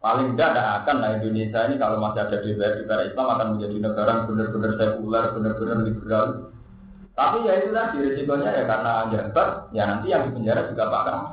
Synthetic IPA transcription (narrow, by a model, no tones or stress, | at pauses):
palɪŋdadaɦakanlaindonesainikalomasiad̥ad̥ebeɛbepaɾaislamakanmənd͡ʒadinəɡaɾabənərbənərsɛpuularb̥ənərb̥ənərlibərlalu | t̪apijait̪ulahd̥iɾesit̪oɲajakaɾənaːɲd͡ʒant̪aʔjanant̪ijaŋdibəɲd͡ʒaɾad͡ʒuɡapa̰ka